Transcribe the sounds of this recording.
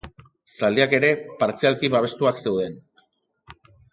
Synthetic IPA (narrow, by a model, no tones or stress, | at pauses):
sald̪eake̞ɾe̞paɾt͡sialkiβaβ̞e̞st̪uakse̞wðe̞n